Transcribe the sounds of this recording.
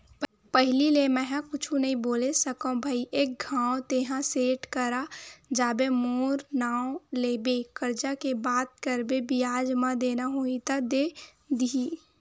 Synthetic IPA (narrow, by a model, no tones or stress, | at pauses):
pəɦɪlilemɛ̃ɦãkʊt͡ʃʰũnɐɦĩboːlesəkõbʱaiʔeːk̚ɡʱãːot̪eːɦãseːʈkəɾad͡ʒaːbemoːɾnaːwoleːbekəɾd͡ʒakebaːt̪̚kəɾbebijaːd͡ʒmãd̪eːnaɦoːĩt̪ad̪eː | d̪ii